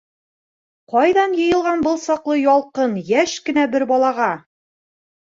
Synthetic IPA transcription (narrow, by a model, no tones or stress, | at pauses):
qɒjðɑnjɤ̆jɤ̆lˠʁɑnbɤlˠsɒqlˠɤjɒlˠqɤnjæʃkɘ̆næbɘɾbɒlˠɑʁɑ